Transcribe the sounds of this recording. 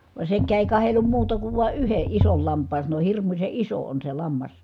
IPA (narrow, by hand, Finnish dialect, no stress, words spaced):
ʋɑĕ sekːæː eˑi̯ kɑhelːum muːtɑ kuʋ ʋɑˑe yheʔ ʔisol lɑmpˑɑːn sɑno hirmuse iso on se lɑmːɑs